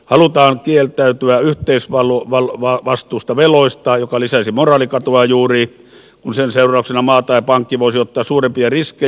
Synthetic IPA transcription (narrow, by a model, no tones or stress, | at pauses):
hɑlut̪ɑːŋkielt̪æˑyt̪yæyht̪eˑisʋɑloʋɑlʋɑʋɑst̪ˑuːst̪ɑʋeloˑist̪ɑjokɑlisæsimorˑɑːlikɑt̪uɑjuːriː | kunsenseˑurˑɑˑuksenɑmɑːt̪ɑˑipɑŋkːiʋoˑisiot̪ːɑːssuːrempiɑriskˑe